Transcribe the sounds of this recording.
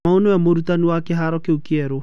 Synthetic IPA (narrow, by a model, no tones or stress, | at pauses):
aonɔjamoɾutanuwakeɦaɾɔkeukiɛɾo